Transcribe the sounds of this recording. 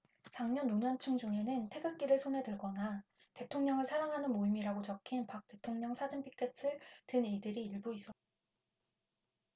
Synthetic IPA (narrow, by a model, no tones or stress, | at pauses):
t͡ɕaŋɲʌnːoɲʌnt͡ɕʰuŋd͡ʑuŋe̞nɯntʰe̞ɡak͈iɾɯɭsʰonɦe̞dɯɭɡʌna | te̞tʰoŋɲʌŋɯɭsʰaɾaŋɦanɯnmoimiɾaɡot͡ɕʌkʰinpak̚t͈e̞tʰoŋɲʌŋsʰad͡ʑɯmpʰi̥k͈ʰe̞t͈ʰɯɭtɯnidɯɾiiɭbuis͈ʌt͈̚a